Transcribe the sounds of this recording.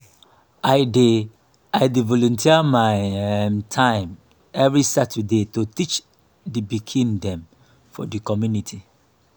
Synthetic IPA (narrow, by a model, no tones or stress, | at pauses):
aɪde | aɪdivɔlɔ̃ntʰiamaɪmtʰãɪ̃m | ɛvɹisatʰədetotit͡ʃ | dibikʰĩndɛ̃m | fɔ̰dikɔmjunitʰi